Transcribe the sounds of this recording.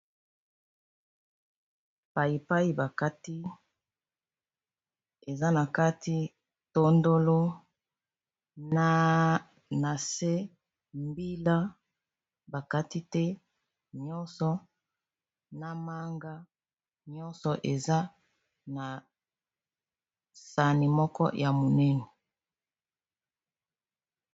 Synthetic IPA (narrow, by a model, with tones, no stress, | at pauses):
pa˨i˨pa˦i˦ba˨ka˦ti˦ | e˨za˦na˨ka˦ti˦ | to˦ndo˦lo˦ | na˦ | na˨se˦ | mbi˦la˦ | ba˨ka˦ti˦tɛ˦ | ɲɔ˦nsɔ˨˦ | na˦ma˦ŋɡa˦ | ɲɔ˦nsɔ˨ʔe˨za˦ | na˨ | sa˨ni˨mɔ˦kɔ̰˦jʔa˨mo˨nɛ˦nɛ˨